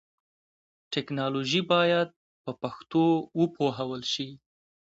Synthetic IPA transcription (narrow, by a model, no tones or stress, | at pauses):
ʈɛknɑloʒibɑjad̪̚ | pəpaxt̪owəpʰoɦawəlʃi